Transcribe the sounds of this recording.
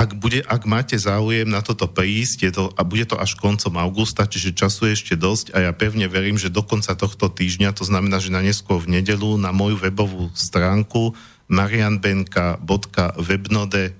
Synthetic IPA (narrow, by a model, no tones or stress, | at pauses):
aɡbuɟɛʔaɡmaːcɛzaːujɛmnat̪ɔt̪ɔpɾiːscjɛt̪ɔbuɟɛt̪ɔʔaʃkɔnt͡sɔmaʊɡust̪at͡ʃiʒɛt͡ʃasujɛɛʃcɛd̪ɔscajapɛʊɲɛʋɛɾiːmʒɛd̪ɔkɔnt͡sat̪ɔxt̪ɔt̪iːʒɲat̪ɔznamɛnaːʒɛnaɲɛskʊɔɾvɲɛɟɛʎunamɔjuʋɛbɔʋuːst̪ɾaːŋku | maɾianbɛŋkabɔt̪kaʋɛbnɔd̪ɛ